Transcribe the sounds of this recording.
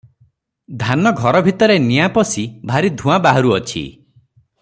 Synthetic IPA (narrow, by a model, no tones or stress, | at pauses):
d̪ʱanɔɡʱɔɾɔbʱit̪ɔɾenijapɔsibʱaɾid̪ʱũabaɦɔɾuɔt͡ʃʰḭ